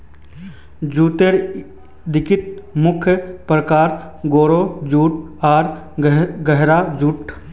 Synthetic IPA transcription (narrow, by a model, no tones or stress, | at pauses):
d͡ʒuːt̪eɾ | d̪ɪkɪt̪̚mʊkʰjəpɾəkaːɾɡoːɾoːd͡ʒuːʈ̚aːɾ | ɡəɦɾad͡ʒuːʈʰ